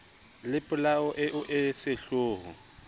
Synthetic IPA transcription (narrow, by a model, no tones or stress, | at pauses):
lɪpʼʊlaʊʔɪʔʊʔɪsɪɬoːɦʊ̰